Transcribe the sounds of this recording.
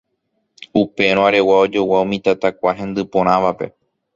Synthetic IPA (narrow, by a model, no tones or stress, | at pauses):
upe̞ɾ̃õaɾe̞wao̞d͡ʒo̞waumĩt̪at̪akʷaɦẽ̞nd̪ɨpõ̞ɾ̃ãʋape̞̰